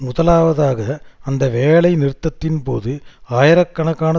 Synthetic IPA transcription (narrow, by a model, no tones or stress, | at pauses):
mʊðɐlaːʋɐðaːɣɐɐnd̪ɐʋeːɭɐɪnɪɾɯt̪ːɐt̪ːɪnpoːðɯaːjɐɾɐkːɐɳɐɣaːnɐ